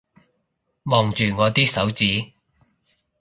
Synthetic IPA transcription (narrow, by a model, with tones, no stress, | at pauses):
mɔː˨ŋt͡ʃyː˨ŋɔː˨˧t̪iː˥sɐ˨˥wt͡siː˨˥